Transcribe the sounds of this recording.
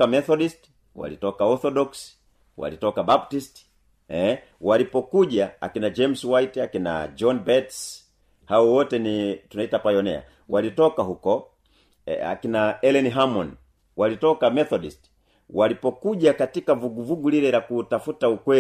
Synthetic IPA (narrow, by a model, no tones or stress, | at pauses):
amɛθɔdist | wa̰litɔkaɔɾθɔdɔks | wa̰litɔkabap̚tist | ɛ | walipɔkuʄaa̰kinad͡ʒɛmswaitɛakina̰d͡ʒɔnbɛts | haɔwɔtɛnitunaitapajɔnɛ̰a̰ | walitɔkaɦukɔ | a̰kinaɛlɛniɦamɔn | walitɔkamɛθɔdist | walipɔkuʄakatikavuɡuvuɡulilɛlakutafutaukwɛ